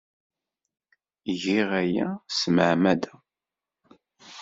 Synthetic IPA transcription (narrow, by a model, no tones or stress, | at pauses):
ʝiʁæjæsməʕmæd̪æ